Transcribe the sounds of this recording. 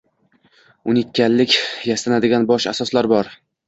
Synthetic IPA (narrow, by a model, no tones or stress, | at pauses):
ʊnɪt̪̚ʲkʲːallɪkʲjasanad̪ɪɡʲanbɒʃa̰sɒslaɾbɒɾ